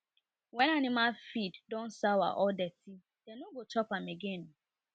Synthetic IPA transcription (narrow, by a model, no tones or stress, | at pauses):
wɛ̃nanɪmalfiddɔ̃nsawa̰ʔɔdɛti | d̥ɛnoɡot͡ʃɔpameɡen